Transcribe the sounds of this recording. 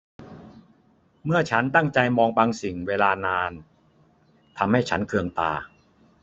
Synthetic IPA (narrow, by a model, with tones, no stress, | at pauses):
mɯ˥˩ɐt͡ɕʰa˦˥nt̪a˥˩ŋt͡ɕa˧jmɔː˧ŋbaː˧ŋsi˨˩ŋweː˧laː˧naː˧n | t̪ʰa˧mha˥˩jt͡ɕʰa˦˥nkʰɯ˧əŋt̪a̰ː˧